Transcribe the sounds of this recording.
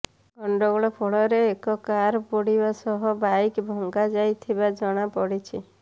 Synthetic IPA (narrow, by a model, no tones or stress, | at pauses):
ɡɔɳɖɔɡɔɭɔpʰoɭɔɾeːkɔkaɾpoɽibasɔɦɔbajkbʱɔŋɡad͡ʒajt̪ʰibad͡ʒɔɽ̃apɔɽit͡ʃʰi